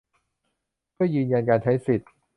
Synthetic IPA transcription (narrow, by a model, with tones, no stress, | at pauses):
kɔ˥˩jɯː˧nja˧nkaː˧nt͡ɕʰa˦˥jsi˨˩t̪̚